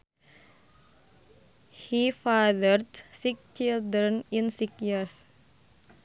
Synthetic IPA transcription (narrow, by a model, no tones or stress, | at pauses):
hifadərdsikt͡ʃild̪ɾə̃nĩnsikjis